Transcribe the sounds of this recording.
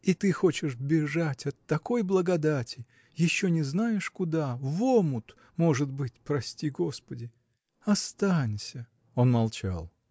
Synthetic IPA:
it̪ɨxo̞t͡ɕɪʂbʲɪʐatʲɐt̪ːɐko̞jblˠəɡɐd̪atʲɪ | jɪɕːonʲɪznajɪʂkʊd̪avomʊt̪ | mo̞ʐɨt̪bɨt̚ʲpɾɐsʲtʲiɡo̞spədʲɪ | ɐst̪anʲsʲə | o̞nmɐlˠt͡ɕa̰lˠ

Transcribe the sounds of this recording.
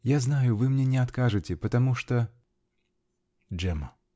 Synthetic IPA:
jaznajʊvɨmnʲɛnʲɛat̪kaʐɨt͡sʲɛpɐt̪amuʂt̪ɔ | d͡ʐɛmɐ

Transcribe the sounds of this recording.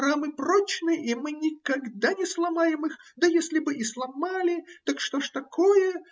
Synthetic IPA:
ɾamɨprot͡ɕnɨʔimɨnʲɪkɐɡd̪anʲɪslˠɐmajɪmɨxd̪əjesʲlʲɪbɨʔislˠɐmalʲɪt̪akʂt̪oʂt̪ɐkʰojə

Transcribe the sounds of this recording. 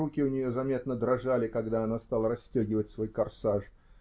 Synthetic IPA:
ukʲɪʊnʲɪjo̞zɐmʲe̞t̪nəd̪ɾɐʐalʲɪkɐɡd̪aɐnast̪alˠəɾɐsʲtʲɵɡʲɪvətʲsvo̞jkɐrsaʂ

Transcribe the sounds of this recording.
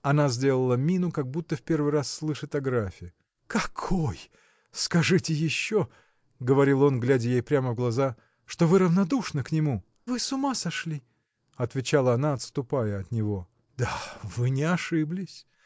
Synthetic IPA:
ɐnazʲdʲe̞lˠəlˠəmʲinʊkaɡ̚but̪ːəfpʲe̞rvɨjrasːlˠɨʂɨt̪ɐɡɾafʲɪɪ | kɐkʰoj | skɐʐɨtʲɪjɪɕːo | ɡəvɐɾʲilˠo̞nɡlʲædʲɪjejpɾʲaməvɡlˠɐza | ʂt̪o̞vɨɾəvnɐd̪uʂnəknʲɪmu | vɨsʊmasɐʂlʲi | ɐt̪vʲɪt͡ɕalˠəɐnaɐt̪st̪ʊpajəɐt̪nʲɪvo̞ | d̪avɨnʲɪɐʂɨblʲɪsʲ

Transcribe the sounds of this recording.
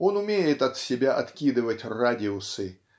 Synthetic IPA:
onʊmʲejɪt̪ɐt̪sʲɪbʲaʔɐt̪kʲid̪ɨvətʲradʲɪʊsɨ

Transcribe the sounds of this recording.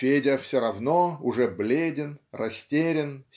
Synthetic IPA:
fʲedʲɪfsʲoɾɐvnoʊʐɛblʲedʲɪnrɐsʲtʲeɾʲɪn

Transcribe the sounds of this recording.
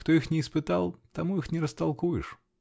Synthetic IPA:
kt̪oixnʲɪːspɨt̪alˠt̪ɐmuixnʲɪɾəst̪ɐlˠkujɪ̰ʂ

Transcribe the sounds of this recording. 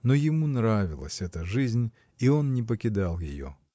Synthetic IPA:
nojɪmunɾavʲɪlˠə̰sʲɛt̪əʐɨzʲnʲ | io̞nnʲɪp̬əkʲɪd̪alˠjɪ̰jo̰

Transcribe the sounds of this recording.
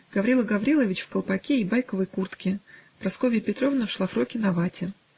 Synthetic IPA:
ɡ̥ɐvɾʲilˠəɡɐvɾʲilˠəvʲɪt͡ɕfkəlˠpɐkʲeibajkəvɨjkurt̪kʲɪpɾɐskovʲɪjːpʲɪt̪ɾo̞vnəfʂlˠafɾokʲɪnɐvatʲɪ

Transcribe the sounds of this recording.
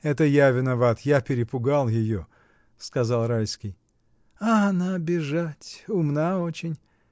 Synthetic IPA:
ɛt̪əjavʲɪnɐvat̪japʲɪɾʲɪpʊɡalˠjɪjo | skɐzɑlˠɾalʲskʲɪj | aɐnabʲɪʐatʲʊmnaot͡ɕɪnʲ

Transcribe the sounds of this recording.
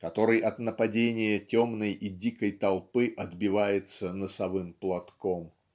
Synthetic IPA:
kɐt̪o̞ɾɨjʔɐt̪nəpɐdʲenʲɪjətʲomnəjʔidʲikəjt̪ɐlˠpɨʔɐd̪bʲɪvajɪt̪sənəsɐvɨmplˠɐt̪ko̞m

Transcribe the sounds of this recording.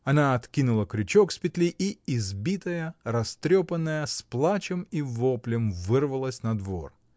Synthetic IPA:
ɐnaɐt̪kʲinʊlˠəkɾʲʉt͡ɕokspʲɪt̪lʲiʔiɪzbʲit̪əjəɾɐst̪ɾʲopənːəjəsplˠat͡ɕəmivoplʲɪmvɨrvəlˠəsʲnɐd̪vo̰r

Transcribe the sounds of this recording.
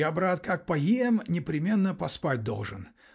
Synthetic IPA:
abɾat̪kak̚pɐjiɛmnʲɪpɾʲɪmʲe̞nːəpɐspat̚ʲd̪o̞̰lˠʐɨn

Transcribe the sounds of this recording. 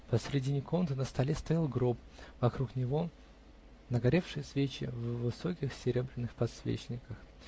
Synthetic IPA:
pəsɾʲɪdʲinʲɪkont̪ɨnəst̪ɐlʲest̪ɐjalˠɡɾop | vɐkɾuknʲɪvo̞ | nəɡɐɾʲe̞fʂɨjəsvʲet͡ɕɪ̰vːɨso̞kʲɪxsʲɪɾʲebɾʲɪnːɨxpɐt̪svʲḛt͡ɕnʲɪkəx

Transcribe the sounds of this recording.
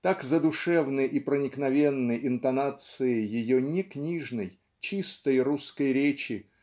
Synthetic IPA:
t̪akzəd̪ʊʂɛvnɨjʔipɾənʲɪknɐvʲenːəjɪnt̪ɐnat̪sɨɪjɪjonʲɪknʲiʐnəj | t͡ɕist̪əjɾuskəjɾʲet͡ɕɪ

